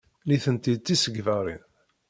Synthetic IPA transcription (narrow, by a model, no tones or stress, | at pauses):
liθənt̪id̪̚t̪ːisəɡvæɾˤi